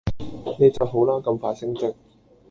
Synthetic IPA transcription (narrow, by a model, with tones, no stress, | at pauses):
ne˨˧jt͡sɐ˨wɦo˨˥wlaː˥kɐ˧mfaː˧t̚sɪ˥ŋt͡sɪ˥k̚